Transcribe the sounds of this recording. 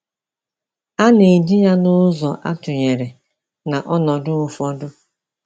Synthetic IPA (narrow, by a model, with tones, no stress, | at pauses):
a˦ne˨d͡ʒi˦ɲa˦nʊ˦zɔ˨ʔa̰˦tʊ˨ɲe˨ɾe˨ | na˨ʔɔ˦nɔ˨dʊ˦ʊ˦fɔ˦dʊ˦